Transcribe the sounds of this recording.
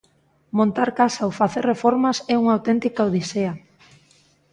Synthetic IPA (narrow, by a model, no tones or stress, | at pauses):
mõnt̪aɾkasaowfaθerrefɔɾmasɛuŋawt̪ɛnt̪ikaowðisea